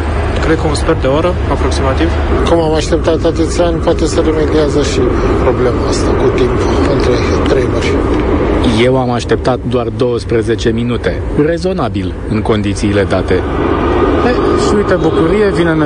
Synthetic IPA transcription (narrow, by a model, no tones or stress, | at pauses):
kɾed̪̚kəunsperd̪eoaɾə | apɾo̞ksimat̪iv | kumamaʃt̪e̞p̚t̪at̪ːat̪ət̪sʲanʲpoat̪e̞səɾeme̞d̪iazəʃipɾo̞ble̞maəst̪akut̪impɨnt̪ɾet̪ɾejmərʲ | je̞wamaʃt̪e̞p̚t̪at̪̚d̪oard̪o̞wəspɾəze̞t͡ʃe̞minut̪e̞ | re̞zo̞nabil | ɨŋko̞nd̪it̪siːle̞d̪at̪e̞ | beʃiujt̪əbukuɾije̞vinen